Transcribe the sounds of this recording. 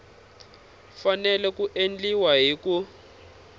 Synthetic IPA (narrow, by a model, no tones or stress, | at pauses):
fanɛlɛkuʔend͡ɮiwaɦiku